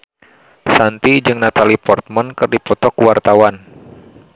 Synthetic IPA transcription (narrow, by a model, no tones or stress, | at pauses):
sant̪id͡ʒɨŋnat̪alipɔrt̪̚mənkɨrdipɔt̪ɔkuwart̪awan